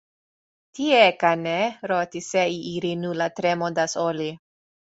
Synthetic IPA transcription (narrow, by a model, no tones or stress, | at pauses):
tiekaneɾot̪iseiʔiɾinulat̪ɾemod̪asoli